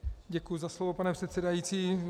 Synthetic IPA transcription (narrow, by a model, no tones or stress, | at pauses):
ɟɛkujuzaslovopanɛpr̥ɛt̪sɛdajiːtt͡siː